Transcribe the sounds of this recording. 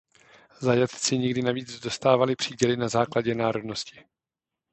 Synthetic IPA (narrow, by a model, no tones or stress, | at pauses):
zajat̪t͡sɪɲɪɡdɪnaviːd͡zdo̞st̪aːvalɪpr̝̥iːɟɛlɪnazaːklaɟɛnaːɾo̞dno̞scɪ̥